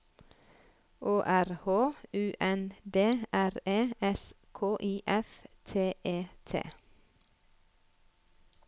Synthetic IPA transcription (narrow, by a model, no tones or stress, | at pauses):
ʔoːʔæɾhoːʉːʔɛnd̪eːʔæɾeːɛs | kʰoːʔiːʔɛft̪ʰeːʔeːt̪ʰḛː